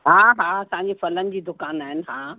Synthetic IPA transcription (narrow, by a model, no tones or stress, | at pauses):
ɦaːɦaːɐsãːɲd͡ʑefɐlənɪ̆d͡ʑiːd̪ʊkaːnaːɦɪnɪ̆ɦaː